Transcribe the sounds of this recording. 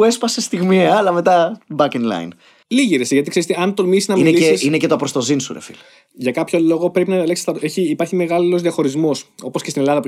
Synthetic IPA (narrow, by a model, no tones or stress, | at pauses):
uespɐsest̪iɣmiɐːlɐme̞t̪ɐbɐkenlɐ̰jn | liʝiɾeseʝɐt̪ikseɾist̪eɐnt̪o̞misiznɐmiineliesinecet̪opɾost̪o̞zinsṵɾḛfḭl | ʝɐkɐpço̞lo̞ɣo̞pɾe̞pinɐðɐlksi̥st̪ɐeçiːpɐɾçime̞ɣɐlilo̞zðiɐxo̞ɾizmo̞so̞poscest̪ine̞lɐðɐpu